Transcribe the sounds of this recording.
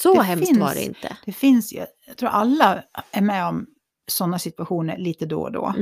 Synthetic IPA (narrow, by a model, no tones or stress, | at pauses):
sɔɦɛmɪna̰ɖɛɪ̰nt̪ʰə̰d̪̥ɛfɪnsɑ̰jɑɡt̪ʰɾuːɾʔalːaʔæɾmɛɔm | sɔnːasɪt̪ʉaɧuːnə̰ɾɭiːt̪əd̪ɔ̰d̪ɔ̰ː